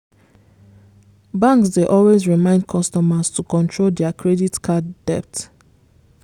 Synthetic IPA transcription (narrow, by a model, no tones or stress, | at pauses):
bãŋksdeʔɔlwezɹimãɪ̃ndkʰɔstɔmastʰukɔ̃ntʰɹoldɛakʰɹɛditkʰadːɛp̚t